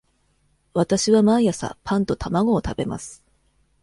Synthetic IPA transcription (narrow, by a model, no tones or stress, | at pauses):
βat̪aɕiβamaijasa̰pãnt̪o̞t̪amaɡo̞ːt̪abe̞ma̰sɨ̥